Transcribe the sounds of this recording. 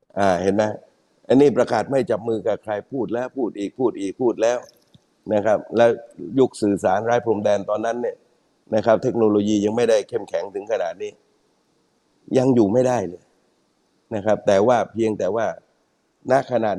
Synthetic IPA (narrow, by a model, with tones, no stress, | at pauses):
ʔaː˨˩he˩˦nːa˦˥ | ʔa˧nːiː˥˩pɾa˧kaː˨˩t̪̚ma˥˩jt͡ɕa˨˩p̚mɯː˧ka˨˩kʰɾa˧jpʰuː˥˩t̪̚lɛː˦˥˩wpʰuː˥˩t̪̚ʔiː˨˩k̚pʰuː˥˩t̪̚ʔiː˨˩k̚pʰuː˥˩t̪̚lɛː˦˥w | na˦˥kʰa˦˥p̚lɛː˦˥wju˦˥k̚sɯː˨˩saː˩˦nɾaː˦˥jpʰɾo˧mdɛː˧nt̪ɔː˧nːa˦˥nːi˥˩ə | na˦˥kʰɾa˦˥p̚t̪ʰe˦˥k̚noː˧loː˧jiː˧ja˧ŋma˥˩jda˥˩jkʰe˥˩mkʰɛ˩˦ŋt̪ʰɯ˩˦ŋkʰa˧naː˨˩t̪̚niː˦˥ | ja˧ŋjuː˨˩ma˥˩jda˥˩jlɤː˧j | na˦˥kʰɾa˦˥p̚t̪ɛː˨˩waː˥˩pʰi˧əŋt̪ɛː˨˩waː˥˩ | na˦˥kʰa˧naː˨˩t̪̚